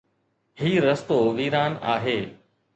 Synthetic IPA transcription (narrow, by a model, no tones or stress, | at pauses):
hiːɾəst̪oːʋiːɾaːna̰ːɦeː